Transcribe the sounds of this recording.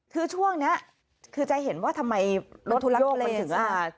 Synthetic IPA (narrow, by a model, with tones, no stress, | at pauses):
kʰɯː˧˩t͡ɕʰu˥˩əŋni˦˥ɐ | kʰɯː˧t͡ɕa˧jɦe˩˦nwaː˥˩t̪ʰa˧mːa˧jɾo˦˥tjoː˥˩m˧tʰɯ˩˦ŋʔaː˧˩